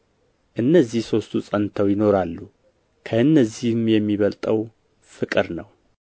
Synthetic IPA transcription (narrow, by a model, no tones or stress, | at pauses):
ʔɨnːəzːihso̞st̪ʰusʼənt̪ʰəwjɪno̞ɾalːu | kʰəɨnːəzihmjɛmːiβəlt̪ʼəw | fɨkʼɨɾnəw